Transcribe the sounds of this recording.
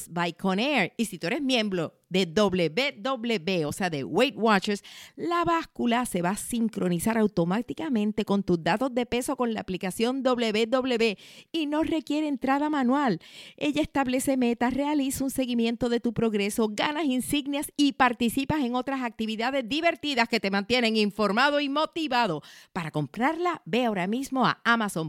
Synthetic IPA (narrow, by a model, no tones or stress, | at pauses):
sbajkʰoneɾisit̪ueɾe̞smjẽ̞mbɾo̞ | ðe̞ðo̞βleβeðo̞βle̞βe̞o̞se̞aðe̞̰wejt̪̚wat͡ʃeɾslaβaskulase̞βaːsiŋkɾo̞nisaɾawt̪o̞mat̪ikamẽ̞nt̪e̞ko̞nt̪uzd̪at̪o̞zðe̞pe̞so̞ko̞nlaːplikasjo̞nd̪o̞βle̞βe̞d̪o̞βle̞βe̞ino̞re̞kje̞ɾe̞ːnt̪ɾaðamãnwale̞ʝaest̪aβle̞se̞me̞t̪are̞alisaunse̞ɣimje̞nt̪o̞ðe̞t̪upɾo̞ɣɾe̞so̞ɡanasinsiɡnjasipaɾt̪isipase̞ŋo̞t̪ɾasak̚t̪iβiðaðe̞zðiβe̞ɾt̪iðaske̞t̪e̞mãnt̪je̞ne̞ŋiɱfo̞ɾmaðo̞imo̞t̪iβaðo̞paɾako̞mpɾaɾlabe̞ao̞ɾamismo̞a̰amaso̞ŋ